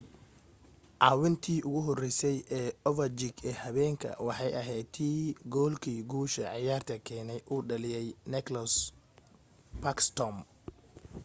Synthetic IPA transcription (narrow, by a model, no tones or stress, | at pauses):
ʕɑːwɪnt̪ʰiːʔʊɣʊɦɔrɛsɛjʔɛːɔvɐd͡ʒɪɡɛːhɐβɛːŋkʰɐ̰wɑħɑjɐɦɛːt̪ʰiːɡɔːlkʰiːɡuːʃɐʕɪjaːrt̪ʰɐkʰɛːnɛjʔuːɖɐlɪjɛjnɛklɐs | pɐkst̪ɔm